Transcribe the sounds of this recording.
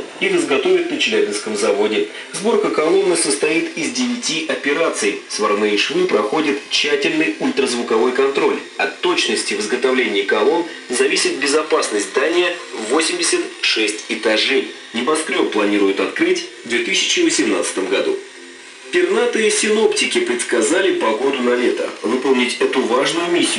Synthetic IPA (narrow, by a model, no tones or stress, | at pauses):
ivɨzɡɐt̪o̞vʲɪt̪̚nət͡ɕɪlʲæbʲɪnskəmzɐvo̞dʲɪ | zbo̞rkəkɐlˠo̞nːɨsəst̪ɐit̪ɪzʲdʲɪvʲɪtʲiʔɐpʲɪɾat̪sɨjsvɐrmɨʂvʲɨpɾɐxo̞dʲɪt̪t͡ɕːætʲɪlʲnɨjulʲt̪rəzvʊkɐvo̞jkɐnt̪ɾo̞lʲ | ɐt̪ːo̞t͡ɕnəsʲtʲɪvɨzɡət̪ɐvlʲenʲɪːkɐlˠo̞n | zɐvʲisʲɪt̪̚bʲɪzɐpasnəsʲt̪d̪anʲɪjəvosʲɪmʲdʲɪsʲət̪ʂɛsʲtʲɪt̪ɐʐɛj | nʲɪbɐskɾʲoplˠɐnʲiɾʊjʊt̪ɐt̪̚kɾɨtʲvd̪vʲet̪ɨsʲɪ̥t͡ɕɪvəsʲɪmna̰t̪sɨ̥t̪əmɡɐd̪u | pʲɪrnat̪ɨɪsʲɪno̞ptʲɪkʲɪpɾʲɪt̪skɐzalʲɪpɐɡo̞d̪ʊnɐlʲet̪ə̰vɨpəlˠnʲɪtʲɛt̪ʊvaʐnʊjʊmʲisʲːɪʊ